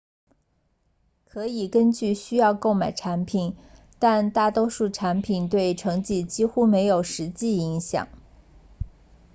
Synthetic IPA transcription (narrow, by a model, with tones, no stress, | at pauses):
kʰɤ˧˥i˨˩kə˥nt͡ɕy˥˩ɕy˥jɑ˥˧ʊko˥˩ʊma˨˩ɪʈ͡ʂʰa˧˥npʰi˨˩˦n | t̪a˥˧nt̪a˥˩t̪wo˥ʂu˥˩ʈ͡ʂʰa˧˥npʰi˨˩nt̪we˥˩ɪʈ͡ʂʰɤ˧˥ŋt͡ɕi˥˩t͡ɕi˥xu˥me˧˥ɪjo˨˩ʊʂɻ̩˧˥t͡ɕi˥˩i˧˥ŋɕjɑ̰˨˩˦ŋ